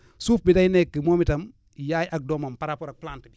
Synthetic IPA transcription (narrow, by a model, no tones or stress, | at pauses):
suːfbidajnekːəmomitam | jaːjʔak̚doːmampaɾapoɾak̚plantidi